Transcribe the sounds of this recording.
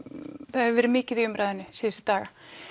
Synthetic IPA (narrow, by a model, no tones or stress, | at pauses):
θaðɛvɛːɾɪmɪːcɪðiʏmɾajðɛnːʏsiːðʏsʏ̥t̪aːɣa